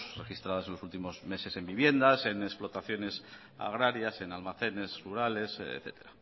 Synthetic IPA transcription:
rexist̪ɾaðasenlosult̪imo̞zme̞se̞se̞mbiβje̞nd̪ase̞nesplo̞t̪aθjo̞ne̞s | a̰ɣɾaɾjase̞nalmaθe̞ne̞sruɾale̞sḛθe̞t̪e̞ɾa

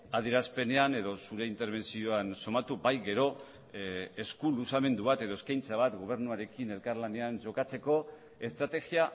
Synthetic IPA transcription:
aðieɾaspe̞ne̞ane̞ðo̞suɾe̞int̪e̞ɾβ̞e̞nsio̞anso̞mat̪ubajɡe̞ɾo̞ | eskulusame̞nd̪uβat̪e̞ðo̞eskajnt͡saβ̞at̪ɡo̞β̞e̞ɾnuaɾe̞kine̞lkaɾlane̞anʝo̞kat͡se̞ko̞ | e̞st̪ɾat̪e̞ɣia

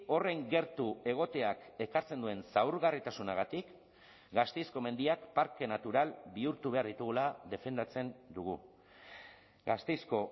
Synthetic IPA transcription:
o̞re̞ŋɡe̞ɾt̪ue̞ɣ̞o̞t̪e̞ake̞kaɾt͡se̞nd̪ue̞nsawɾɣarit̪asunaɣat̪ik | ɡast̪ejsko̞me̞nd̪iakpaɾke̞nat̪uɾalbiuɾt̪uβe̞aɾðit̪uɣulaðe̞fe̞nd̪at͡se̞nd̪uɣ̞u | ɡast̪ejsko̞

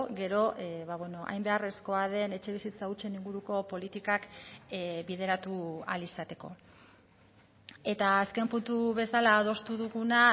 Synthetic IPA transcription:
ɡe̞ɾo̞βaβweno̞ʔa̰jmbe̞are̞sko̞að̞e̞ne̞t͡ʃe̞βisit͡saut͡ʃe̞niŋɡuɾuko̞po̞lit̪ikak | bið̞e̞ɾat̪ua̰lisat̪e̞ko̞̰ | e̞t̪aːske̞mpunt̪uβe̞salaːðo̞st̪uðuɣuna

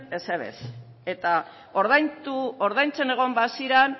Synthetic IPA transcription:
eseβḛs | e̞t̪a | oɾðajt̪uoɾðajnt͡se̞ne̞ɣ̞o̞mbasiɾan

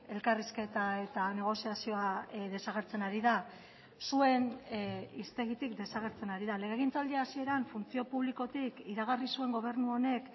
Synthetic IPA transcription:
e̞lkariske̞t̪ae̞t̪ane̞ɣ̞o̞siasio̞aðe̞saɣ̞e̞ɾt͡se̞naɾiða | sue̞n | ist̪e̞ɣ̞it̪ikd̪e̞saɣ̞e̞ɾt͡se̞naɾiðale̞ɣeɣint͡sald̪iasie̞ɾaɱfunt͡sio̞puβliko̞t̪ikiɾaɣ̞arisue̞ŋɡo̞β̞e̞ɾnuo̞ne̞k

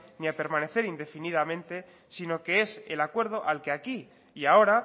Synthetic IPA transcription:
niape̞ɾmãne̞θe̞ɾind̪e̞finiðamẽnt̪e̞ | sino̞ke̞e̞se̞̰lakwe̞ɾð̞o̞ʔalke̞aki | iao̞ɾa

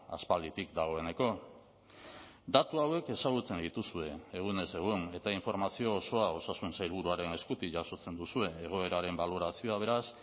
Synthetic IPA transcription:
a̰spald̪it̪ikd̪aɣ̞o̞e̞ne̞ko̞ | d̪at̪uawe̞ke̞saɣ̞ut͡se̞nd̪it̪usue̞ːɣ̞une̞se̞ɣ̞une̞t̪aiɱfo̞ɾmasio̞ːso̞ao̞sasunsajɾβ̞uɾuaɾe̞ne̞skut̪iʝaso̞t͡se̞nd̪usue̞ːɣ̞o̞e̞ɾaɾe̞mbaloɾasio̞aβ̞e̞ɾas

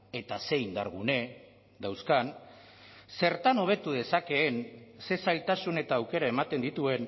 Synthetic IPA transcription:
e̞t̪ase̞jnd̪aɾɣune̞ | d̪awskan | se̞ɾt̪ano̞β̞e̞t̪uðe̞sake̞ːnse̞sajlt̪asune̞t̪aːwke̞ɾae̞mat̪e̞nd̪it̪ue̞n

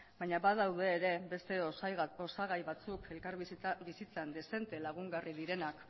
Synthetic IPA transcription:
baɲaβaðawð̞e̞ːɾe̞be̞st̪e̞oo̞saɣajβat͡suke̞lkaɾbisit͡sand̪e̞se̞nt̪e̞laɣ̞uŋɡariðiɾe̞nak

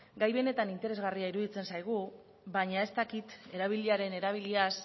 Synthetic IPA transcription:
ɡajβe̞ne̞t̪anint̪e̞ɾe̞zɣariaiɾuðit͡se̞nsajɣ̞u | βaɲae̞st̪akit̪e̞ɾaβ̞iliaɾe̞ne̞ɾaβ̞ilias

